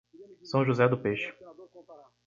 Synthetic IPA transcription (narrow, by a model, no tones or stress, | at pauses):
sɐ̃w̃ʒuzɛd̪ʊpeʃʊ̥